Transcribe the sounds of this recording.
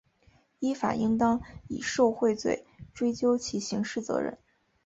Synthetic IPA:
i˥fa̰˨˩i˥ŋt̪ɑ˥ŋi˨˩ʂo˥˧ʊxwe˥˧ɪt͡swḛ˥˩ɪʈ͡ʂwe˥ɪt͡ɕjo˥ʊt͡ɕʰi˧˥ɕi˧˥ŋʂɻ̩˥˩t͡sɤ̰˧˥ɻə̰˧˩˦n

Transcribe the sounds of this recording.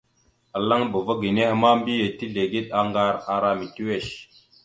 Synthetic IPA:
a˨la˦ŋbə˨va˦ɡi˨ne˦hə˦ma˦mbi˦je˨ti˦ɮe˨ɡi˦ɗ̚a˨ŋɡa˦ɾa˨ɾa˦mi˨ti˦we˦˨ʃ

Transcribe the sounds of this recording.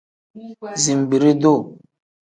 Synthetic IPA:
zi˨m˨bi˨ɾi˦do˦˨

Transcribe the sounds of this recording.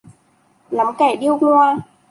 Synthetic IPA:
la˨˦mkɛ˧˩ɗi˧əwŋw

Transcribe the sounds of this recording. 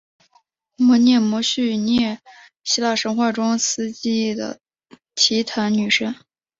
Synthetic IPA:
mɔ˧˥njɛ˥˩mwɔ˧˥ɕy˥˧njɛ˥˩ | ɕi˥la˥˩ʂə˧˥ŋxwa˥˩ʈ͡ʂʊ˥ŋsɹ̩˥t͡ɕi˥˩d̪ə̰˩ | t͡ɕʰi˧˥t̪ʰa˧˥nny˨˩ʂə˥n

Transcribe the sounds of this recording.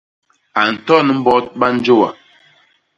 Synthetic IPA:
a˨n̩˨tɔ˦nə˨m̩˦bɔ˦t̚ɓa˦n̩˦d͡ʒo˦˨wa̰˨

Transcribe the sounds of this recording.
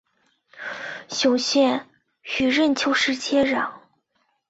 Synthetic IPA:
ɕjʊ˨˩ŋɕjɛ˥˩n | ɕy˨˩ɻə˥˩nt͡ɕʰjo˥ʊʂɻ̩˥t͡ɕʰjɛ˥ɻɑ˨˩˦

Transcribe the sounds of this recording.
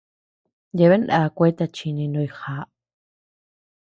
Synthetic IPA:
je˧βe˦nɗa˧kʷe˦t̪a˧t͡ʃi˧nĩ˧nõ˧i˧xa˨˦ʔ

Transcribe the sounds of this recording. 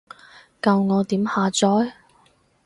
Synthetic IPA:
kɐ˧wŋɔː˨˧t̪iː˨˥mhaː˨˧t͡sɔː˨˥j

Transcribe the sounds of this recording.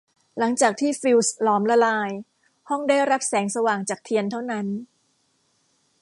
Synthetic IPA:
la˩˦ŋt͡ɕaː˨˩k̚t̪ʰiː˥˩fi˧wslɔː˩˦mla˧laː˧j | hɔ˥˩ŋdaː˥˩jɾa˦˥p̚sɛː˩˦ŋsa˧waː˨˩ŋt͡ɕaː˨˩k̚t̪ʰi˧ənt̪ʰa˥˩wna˦˥n

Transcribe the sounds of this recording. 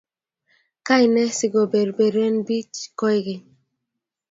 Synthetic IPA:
ka˦jnɛ˦sɪ˨ɡo˨be˨ɾbe˨ɾɛ˦nbi˦t͡ʃkɔ˦jɡɪ˨

